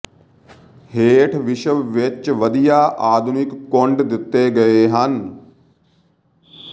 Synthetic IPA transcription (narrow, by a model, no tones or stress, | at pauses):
heːʈʰʋɪʃəʋʋɪt͡ʃʋɐd̪ijaʔaːd̪ʱʊnɪkːoɳɖd̪ɪt̪ːeɡɐeɦɐn